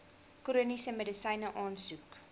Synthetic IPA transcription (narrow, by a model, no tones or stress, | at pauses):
kuɾunisəmədəsɐjnəʔɑːnsuk